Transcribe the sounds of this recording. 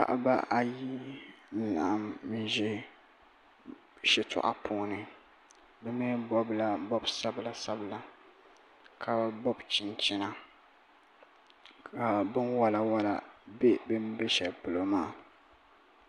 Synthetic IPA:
pa̰˨ʔa̰˦ba̰˦ʔa˨ji˦n̩˦la̰˨a˦m̩˦ʒɛ˦ | ʃɛ˦tʰɔ̰˨ʔa̰˦pʰʊː˨˦nɨ˨ | bɛ˦mɛ˦bɔ˦bla˦bɔ˦bsa˦bla˨sa˦bla˨ | kʰa˨bɔ˦bt͡ʃɪ˨nt͡ʃɪ˦na˨ | ka˨bɨ˦nwa˦la˦wa˦la˨be˦bɨ˦mbɛ˦ʃɛ˨lpʊ˨lo˨maː˦˨

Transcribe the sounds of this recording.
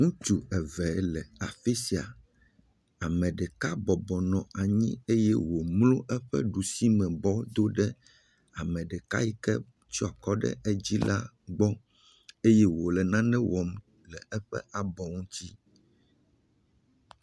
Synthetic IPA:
ŋũ˦t͡ʃu˨ɛ˨vɛ˨˦lɛ˨a˨fi˦si˨a˨ | a˨mɛ̃˨ɖɛ˨ka˦bɔ˨bɔ˨nɔ̃˨a˨ɲĩ˦e˦jɛ˦wo˨mlõ˦ʔɛ˦ɸɛ̰˦ɖu˨si˦mɛ̃˨bɔ˦d̪o˦ɖɛ˦ | a˨mɛ̃˨ɖɛ˨ka˦ji˦kɛ˦ | t͡ʃɔ˦a˨kɔ˦ɖɛ̰˦ʔɛ˦d͡ʑi˦la˦ | ɡ͡bɔ˦ | e˦jɛ˦wo˨lɛ˨nã˦nɛ̃˦wɔ˨m | lɛ˨ɛ˦ɸɛ̰˦ʔa˨bɔ˨ŋũ˦t͡ɕi˦

